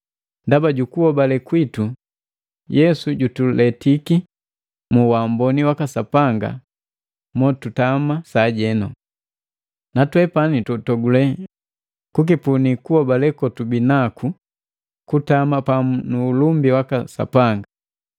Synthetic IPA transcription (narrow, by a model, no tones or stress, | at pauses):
ndabaɟukuhɔbalɛkwitu | jɛsuɟutulɛtiki | muwambɔniwakasapaŋɡa̰ | mɔtutamasaɟɛnɔ | natwɛpanitɔtɔɡulɛ | kuk̬ipunikuhɔbalɛkɔtubinakʰu | kutamapamunuːlumbiwakasa̰paŋɡa